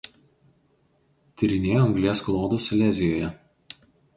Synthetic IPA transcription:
t̪ʲɪɾʲɪnʲeːjoɐŋɡlʲiɛsklˠoːd̪usʲlʲɛzʲɪjoːjɛ

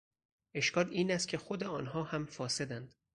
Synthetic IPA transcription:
ʔe̞ʃkɒːliːnæst̪̚cʰe̞xod̪e̞ɒːnhɒːhæmfɒːse̞d̪ænd̪̥

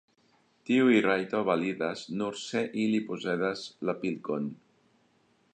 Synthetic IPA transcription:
t̪iwirajt̪oβaliðaznuɾseʔilipuzeðazlapilkon

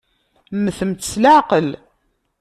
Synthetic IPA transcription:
mːəθəmt͡sːlaʕqəl

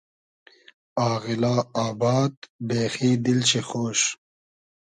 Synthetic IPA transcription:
aːɣɪlaːaːbaːd̪beːxiːd̪ilt͡ɕixoːɕ

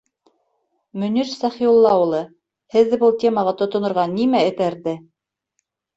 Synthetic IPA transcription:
mɵ̆niɾsæχiulˠːɑulˠɤ | hɘ̆ðːɘbɤlˠt̪ʲe̞mɑʁɑt̪ŏt̪ŏnŏɾʁɑnimæɘ̆t̪æɾðɘ

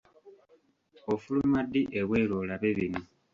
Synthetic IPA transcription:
ofulumadːiʔeβweːloːlaβeβino

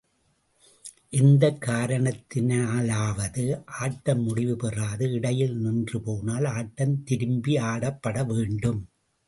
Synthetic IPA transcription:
ʔɪnd̪ɐkːaːɾɐɳɐt̪ːɪnaːlaːʋɐðɯʔaːʈːɐmːʊɽɪʋɯpɛraːðɯɪɽɐjɪlnɪndrɯpoːnaːlaːʈːɐnt̪ɪɾɯmbiaːɽɐpːɐɽɐʋeːɳɖɯm

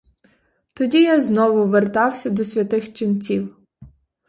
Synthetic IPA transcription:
t̪ɔdʲijaznɔʋʊʋert̪ɑwsʲɐd̪ɔsʲʋʲɐt̪ɪxt͡ʃɪnt͡sʲiw

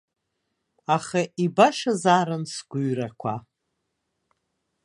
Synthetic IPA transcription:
aχaʔibaʃazaːɾɨnsɡʷuɥrakʷʰa

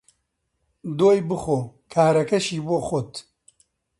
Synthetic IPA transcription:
d̪oːjbɨxoːkʰaːɾɐkɐʃiːboːxot̪

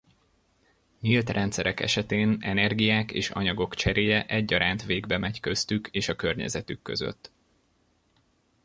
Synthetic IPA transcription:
ɲilt̪rɛnt̪sɛɾɛkɛ̰ʃɛt̪eːnɛnɛrɡijaːkeːʃɒ̰ɲɒɡo̞kt͡ʃɛɾeːjɛʔɛɟːɒɾaːnt̪ʋeːɡbɛmɛɟkøst̪ykʰeːʃɒkø̞rɲɛ̰zɛt̪ykːø̞̰zø̰t̪ː

